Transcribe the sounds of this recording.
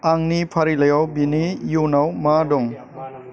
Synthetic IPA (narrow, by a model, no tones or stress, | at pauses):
aŋnipʰaɾilajawbinijunawmadɔŋ